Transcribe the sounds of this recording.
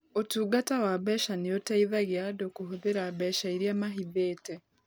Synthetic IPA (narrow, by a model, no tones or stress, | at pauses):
otuːɡatawaβɛʃaneotaiðaɣjadokoɦoðeɾaβɛʃaiɾiamaɦiðeːtɛ